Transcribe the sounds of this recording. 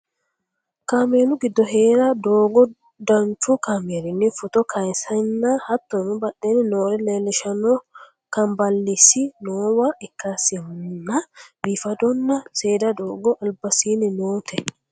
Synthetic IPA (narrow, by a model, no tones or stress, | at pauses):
kaːmeːnʊɡɪd̪ːɔɦeːɾɐd̪oːɡɔ | d̪ɐnt͡ʃukameːɾɪnːifʊt̪ɔkʰɐjsɐnːahɐt̪ːɔnʊbɐɗːenɪnoːɾɛlɛlɛʃɐnɔ | kɐmbɐlːisinoːwaɛkːasɪnnɐbiːfɐd̪ɔnːɐseːd̪ɐd̪oːɡɔʔɐlbɐsiːnɪnoːt̪ʰɛ